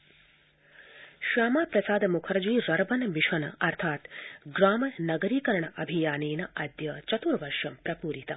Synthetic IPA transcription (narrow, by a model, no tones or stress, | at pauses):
ʃaːmaːpɾɐsaːd̪ɐmukʰɐɾɐd͡ʒiɾɐɾbɐnɐʋiʃɐnɐ̰ɐɾt̪ʰaːt̪ɡɾaːmɐnɐɡɐɾiːkɐɾɐɳɐʔɐbʱijaːneːnɐʔɐd̪jɐt͡ʃɐt̪uːɾɐʋɐɾʃɐmpɾɐpuːɾit̪ɐ̰